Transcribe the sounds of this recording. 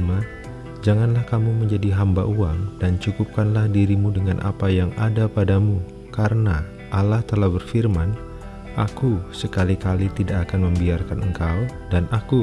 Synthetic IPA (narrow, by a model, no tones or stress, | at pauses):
ma | d͡ʒaŋanlahkamuməɲd͡ʒadiɦamba̰ʔuaŋdant͡ʃukup̚kanlahdiɾimudəŋanʔa̰pajaŋadapadamu | kaɾəna | ʔalaht̪əlahbərfirman | ʔakusəkalikalit̪idakakanməmbiarkanəŋkaw | danʔaku